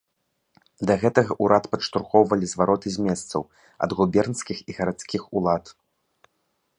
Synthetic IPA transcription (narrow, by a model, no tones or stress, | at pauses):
d̪ɐɣɛt̪ɐɣɐʔuɾʔat̪pɐʂt̪uɾxɔwvɐlʲizvaɾɔt̪ɨzʲmʲɛst̪sɐ̰w | ɐ̰d̪ɣubʲɛrnskʲixiɣɐɾat̪skʲixulˠat̪